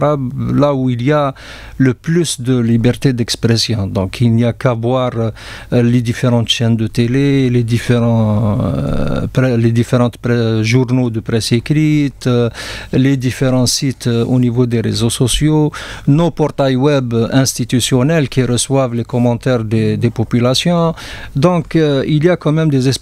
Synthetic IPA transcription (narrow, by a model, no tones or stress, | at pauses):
ʁablauilja | ləplysd̪əlibɛʁt̪ed̪ɛkspʁɛsjɔ̃d̪ɔ̃kʰilnijakavwaʁ | led̪ifeʁɑ̃t̪ʃɛnd̪ət̪eleled̪ifeʁɑ̃ | pɛled̪ifeʁɑ̃t̪pɛʒuʁnod̪əpʁɛsekɾit̪ | led̪ifeʁɑ̃sit̪o̰nivod̪eʁḛzosɔsjonopɔʁt̪ajwɛbɛ̃st̪it̪ysjɔnɛlkiʁəswavlekɔmɑ̃t̪ɛʁd̪ed̪epɔpylasjɔ̃d̪ɔ̃kiljakɑ̃mɛmd̪ezɛs